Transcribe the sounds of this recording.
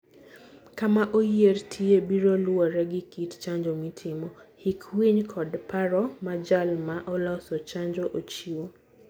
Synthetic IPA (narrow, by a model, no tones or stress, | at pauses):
kamaʔojertʰiebiɾolʊaɾɛɡikitt͡ʃaɲd͡ʒomitʰɪmɔhikwiɲkʰɔdpaɾɔmad͡ʒalmaʔɔlɔsot͡ʃaɲd͡ʒoʔot͡ʃio